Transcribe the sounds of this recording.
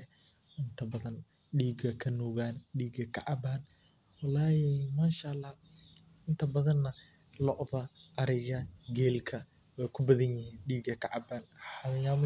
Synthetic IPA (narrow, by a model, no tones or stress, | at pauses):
ʔɪnt̪ʰɐbɐðɐn | ɗiːɡɐkʰɐnɔːɣaːnɗiːɡɐkʰɑ̰ʕɑbaːn | wɑlaːjɛmaːʃalːɑ | ɪnt̪ʰɐbɐðɐnːɐ | lɔʔðɐʔːɾɪɣɐɡɛːlkʰɐ | wɛjkʰʊbɐðɐnjɪhiːnɖiːɡɐkʰɐʕɑbaːnħɑjaːmʊ